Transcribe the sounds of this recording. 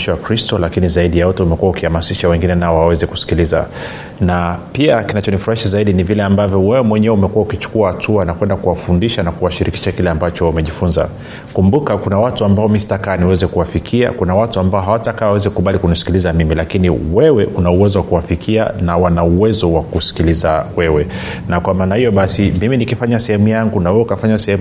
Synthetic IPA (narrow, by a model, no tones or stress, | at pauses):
ʃwakɾistɔlakinizaiɗijawatɛumɛkuwaukihamasiʃawɛŋɡinɛnaɔawɛzɛku̥si̥kiliza̰ | napiakinat͡ʃɔnifuɾahiʃazaiɗinivilɛambavjɔwɛwɛmwɛɲɛɛumɛkuwaukit͡ʃu̥kuahatʰuanakwɛndakuwafundiʃanakuwaʃiɾiki̥ʃakilɛambat͡ʃɔumɛʄifunza̰ | kumbukakunawatuambaɔmistakaniwɛzɛkuwafikʰia̰kunawatuambaɔɦawatakawawɛzikuɓalikunisi̥kilizamimilakinḭwɛwɛʔunauwɛzɔwakuwafikʰia̰nawanauwɛzɔwakusi̥kilizawɛwɛ | nakwamaːnahijɔɓasimiminikifaɲasɛhɛmujaŋɡunawɛwɛukafaɲasɛhɛm